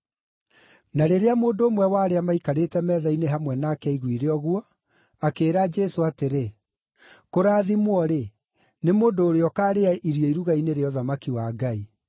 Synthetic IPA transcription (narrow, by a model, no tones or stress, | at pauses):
naɾeɾeamoːndoːmwɛwaːɾeamaikaɾetɛmɛðaineɦamwɛnaːkɛiɣwiɾeɔɣwɔ | akeːɾad͡ʒɛsoateɾe | koɾaːðimwɔɾe | nemoːndoːɾeɔkaːɾeaʔiɾiɔiɾuɣaineɾeɔðamakiwaɡai